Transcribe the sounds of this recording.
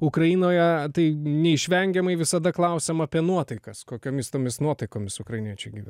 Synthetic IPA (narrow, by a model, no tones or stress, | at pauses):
ʊkɾɐiːnoːjɛt̪ɐɪnʲɛɪʃʲʋʲɛŋʲɡʲɛmɐɪʋʲɪsɐd̪ɐklˠɐʊsʲeːmɐːpʲiɛnuɔt̪ɐɪkɐskoːkʲoːmʲɪst̪oːmʲɪsnuɔt̪ɐɪkoːmʲɪsʊkɾɐɪnʲiɛt͡ʃʲɛɪɡʲiːʋʲæ̰n